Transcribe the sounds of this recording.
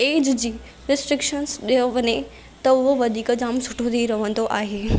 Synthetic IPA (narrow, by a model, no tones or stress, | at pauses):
eːd͡ʑd͡ʑiː | ɾɪsʈɾɪkʃənsɗijəʋəne | t̪ɐʊɦoʋɐd̪ʱiːkd͡ʑaːmsʊʈʰot̪ʰiɾɐʋə̃nd̪oʔaːɦeː